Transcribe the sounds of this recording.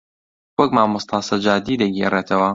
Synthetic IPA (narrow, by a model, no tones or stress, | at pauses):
wɔk̚maːmʊst̪ʰɑːsɐd͡ʒaːd̪iːd̪ɐɡireːt̪ʰɐwɐ